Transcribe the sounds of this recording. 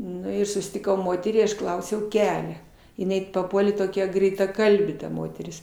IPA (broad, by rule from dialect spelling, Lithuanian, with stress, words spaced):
ˈnʊ ɪr sʊsʲtʲɪˈkɐʊ ˈmoːtʲɛrʲiː ɐʃ ˈklˠɐʊsʲɛʊ ˈkʲæːlʲɛ jɪˈnɐɪ pɐˈpuɔlʲeː toːˈkʲɛ ɡrʲɛɪtɐˈkɐlʲbʲeː tɐ ˈmoːtʲɛrʲɪs